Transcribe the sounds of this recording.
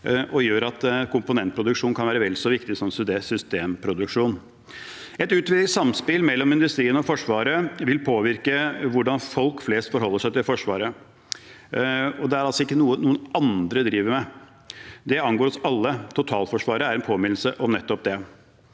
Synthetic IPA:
ʔɔjøːɾɑt̪kʊmpʊnɛnt̪̚pʰɾʊd̪ʉkʂuːnkɑnʋæːɾəʋɛlsɔʋɪkt̪ɪsɔmsesʏst̪eːmpʰɾʊd̪ʉkʂuːn | ɛt̪ʉːt̪ʋɪd̪ɪsɑmspɪlmɛlːɔmɪnd̪ʉst̪ɾiːənɔfɔʂʋɑːɾəʋɪlpʰoːʋɪɾkəʋʊɖɑnfɔlkfleːst̪fɔɾɦɔlːəʂæɪt̪ɪlfɔʂʋɑ̰ːɾə | ɔd̪ɛæɾɑlsɔɪkːənuːənuːənɑnd̪ɾəd̪ɾiːʋəɾmɛ | d̪ɛɑnɡoːɾɔsɑlːət̪ʰʊt̪ʰɑːlfɔʂʋɑːɾəæɾɛnpʰoːmɪnl̩səʔɔmnɛt̪ːɔp̚d̪ɛ

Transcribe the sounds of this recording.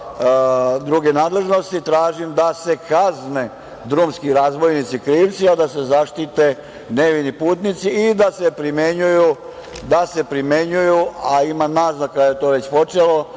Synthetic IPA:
d̪ɾuɡe̞naːd̪le̞ʒno̞st̪it̪ɾaːʒimd̪ase̞kazne̞ | d̪ɾumskiɾaːzʋo̞jnit̪sikɾiːʋt̪siad̪ase̞zaʃt̪it̪e̞ | neʋinipuːt̪nit̪siːd̪asepɾimjeɲuju | d̪ase̞pɾimjeɲujuaimanaznakːajet̪oʋe̞t͡ɕpo̞t͡ʃelo̞

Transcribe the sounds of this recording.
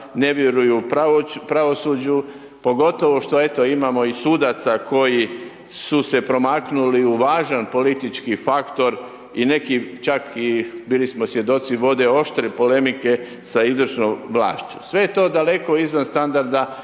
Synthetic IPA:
ne̞ʋjeɾujupapɾaʋo̞suːd͡ʒu | po̞ɡo̞t̪o̞ʋo̞ʃt̪o̞e̞t̪o̞imamo̞isuːd̪at̪sako̞ji | suse̞pɾo̞maknuliuʋaːʒanpo̞lit̪it͡ʃkifakt̪o̞ɾ | ine̞kit͡ʃakʰibiːlismosʋje̞d̪o̞t̪siʋo̞d̪e̞o̞ʃt̪ɾepo̞le̞mike̞ | saizʋɾt͡ʃnomʋla̰ːʃt͡ʃu̥sʋe̞jet̪o̞ːd̪ale̞ko̞izʋanst̪and̪aɾd̪a

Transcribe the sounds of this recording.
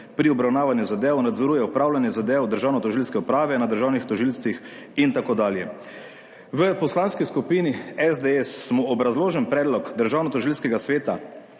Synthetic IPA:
pɾiɔbɾawnaːʋanjuzad̪eːwnad̪zɔɾujɛupɾaːwlanjɛzad̪eːwd̪əɾʒawnɔt̪ɔʒilskɛupɾaːʋɛnad̪əɾʒawnixt̪ɔʒilst̪ʋix | int̪akoːd̪aːljɛ | ʋəpɔslanskiskupiːniɛzd̪eɛsmɔɔbɾazloːʒɛnpɾɛːd̪lɔkd̪əɾʒaːwnɔt̪ɔʒilskɛɡasʋeːt̪a

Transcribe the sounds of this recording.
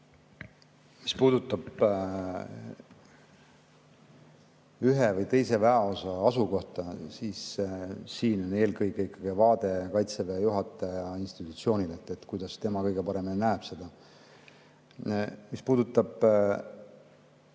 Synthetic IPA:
mispuːd̪̥ut̪ːˑɑb̥ | yɦevɤjt̪e̞jse̞væɑo̞sɑɑsuko̞ht̪ɑsiːssiːno̞ne̞ːlkɯjkeikːˑɑɡ̥ivɑːd̪̥e̞kɑjt̪sevejuɦɑt̪ːˑɑjɑinst̪i̥t̪ːˑut̪sio̞ːnid̪et̪ːˑet̪ːkujd̪̥ɑst̪e̞mɑkɤjɡe̞pɑɾe̞minnæeb̥se̞d̪̥ɑ | mispuːd̪̥ut̪ːˑɑb̥

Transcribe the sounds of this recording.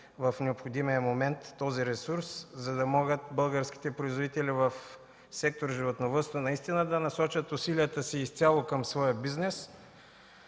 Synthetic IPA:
vɐfnɛopxod̪imijəmomɛnt̪ːɔziɾɛsuɾszɐd̪ɐmɔɡət̪bɤlˠɡəɾsk̟i̥t̪ɛpɾoizvod̪it̪ɛlivɐf | sɛk̚t̪oɾʒivot̪novəst̪onɐist̪inəd̪ɐnɐsɔt͡ʃət̪ʊsiliət̪əsiːst̪ʲalˠokəmsvɔjəbiznɛs

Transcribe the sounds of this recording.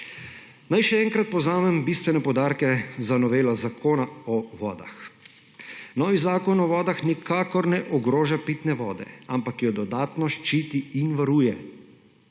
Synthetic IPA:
najʃɛɛŋkɾat̪̚pɔznaːmɛmbist̪ʋɛnɛpɔd̪aːɾkɛzanɔʋeːlazakoːnaɔʋɔːd̪a̰x | nɔːʋizaːkɔnɔʋɔːd̪axnikʰaːkɔɾnɛʔɔɡɾoːʒapit̪nɛʋɔːd̪ɛ̰ampakjɔd̪ɔd̪aːt̪nɔʃt͡ʃiːt̪iinʋaɾuːjɛ

